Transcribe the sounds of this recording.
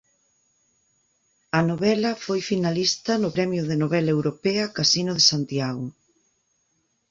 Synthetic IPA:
ɐnoβɛlɐfojfinalist̪ɐnʊpɾɛmjʊðenoβɛlaɐewɾopɛɐkasinʊðesant̪jaɣʊ

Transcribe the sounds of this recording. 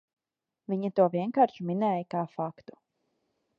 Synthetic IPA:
viɲɐt̪uɔviɛnkaːɾʃuminɛːjəkaːfakt̪u̥

